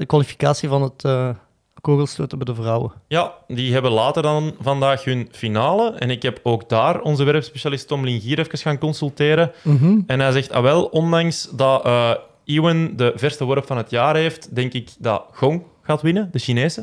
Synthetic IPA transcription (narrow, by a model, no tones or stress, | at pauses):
dəkwɑlifi̥kaːsivɑnətəː | koːɣəlˠstoːtəbdəvrɑwə̰jadiɦɛbəlaːtərdɑnvɑndaːxɦʏnfinaːləʔɛ̰nɪkɦɛpoːɡdaːrɔnzəʋɛɾəpspeʃalɪstɔmlɪŋɣiːɾɛfəkəsxaːnkɔnsylˠteːɾəɛnɦɛjzɛxtɑ̰ʋɛlˠɔndɑŋsdɑʔ | iwəndəvɛrstəwɔɾpfɑnɦətjaːɾɦeːftdɛŋkɪkdɑ̰ɣ̥ɔŋ | ɣaːtwɪnədəʃineːzə